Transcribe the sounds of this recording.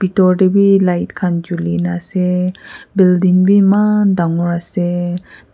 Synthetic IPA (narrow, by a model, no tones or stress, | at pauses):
b̥itɔɾdebilajtkʰand͡ʒulinasebildinbimadaŋɔɾase